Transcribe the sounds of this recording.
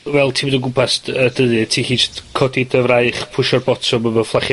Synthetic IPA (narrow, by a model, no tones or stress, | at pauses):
vɛlˠtʰiːbodənɡʊpʰasədəðɨtʰiːhiːd͡ʒɪtkʰɔdidəvrajχpʰʊʃɔrbɔtʰɔməvəflˠaχj